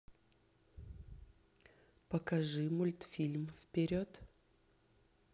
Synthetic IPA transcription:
pəkɐʐɨmʊlʲt̪fʲilʲmfpʲɪɾʲot̪

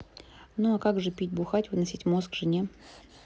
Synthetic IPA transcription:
nuɐkaɡʐɨpʲit̚ʲbʊxatʲvɨnɐsʲitʲmoskvʐɨnʲe

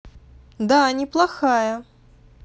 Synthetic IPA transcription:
d̪anʲɪplˠaxajɐ

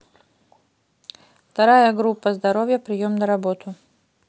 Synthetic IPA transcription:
ft̪ɐɾajəɡɾupːɐzd̪ɐɾovʲjəpɾʲɪjomnɐɾɐbot̪ʊ

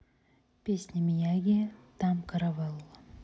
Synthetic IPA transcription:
pʲesʲnʲemijaɡʲet̪amkʰaɾavalˠː

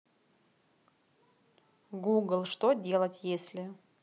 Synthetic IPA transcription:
ɡuɡlˠʂt̪odʲe̞lˠətʲjesʲlʲɪ

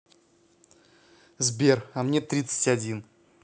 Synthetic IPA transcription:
zbʲe̞ramnʲe̞t̪ɾʲit̪sɨ̥tʲadʲin

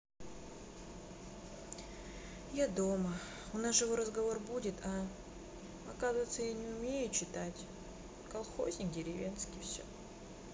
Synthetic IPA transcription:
jad̪o̞mə | ʊnasʐɨvo̞ɾəzɡɐvo̞rbudʲɪt̪ʰa | ɐkazɨvəjt̪səjanʲɪʊmʲejʊt͡ɕɪt̪atʲ | kɐlˠxo̞̰zʲnʲɪk̚dʲɪɾʲɪvʲe̞nskʲɪfsʲɵ̰

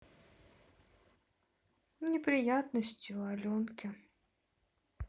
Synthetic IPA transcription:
nʲɪpɾʲɪjat̪nəsʲtʲjʊalʲɔnkʲɪ

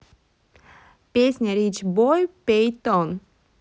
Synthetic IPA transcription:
pesnʲaɾit͡ʃbɔjpejt̪ɔn

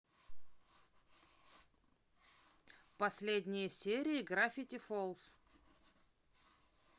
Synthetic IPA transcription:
pɐsʲlʲedʲnʲɪjəsʲeɾʲɪɪɡɾafʲɪtʲɪfolˠs

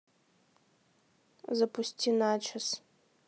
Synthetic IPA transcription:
zɐpʰustʰʲinat͡ʃʰɐs

